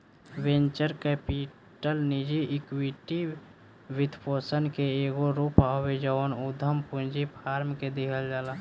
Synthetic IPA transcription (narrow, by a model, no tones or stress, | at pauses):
wẽɲt͡ʃəɾkepi | ʈəlnid͡ʒiɪkwiʈi | wɪt̪ʰpoːsənkeeːɡoɾupawed͡ʒənud̪ʱəmpũnd͡ʒipʰaːɾmked̪ikʰəld͡ʒaːlaː